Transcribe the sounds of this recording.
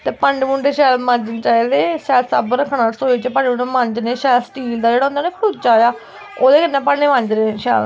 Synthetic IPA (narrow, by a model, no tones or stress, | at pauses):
t̪eːpəɳɖmũɳɖeːʃɛːlmə̃ɲd͡ʒənt͡ʃaːiːd̪eːʃɛːlsə̰bəɾəkʰːɳaːsoːiːt͡ʃəpəɳɖmũɳɖemə̃ɲd͡ʒneːʃɛːlsʈiːld̪aːd͡ʒeːɽaːʊ̃nd̪aːneːpʰuːt̪̚t͡ʃaːjaː | oːd̪eːkənːẽːpəeːmə̃ɲd͡ʒnẽːʃɛ̰ːl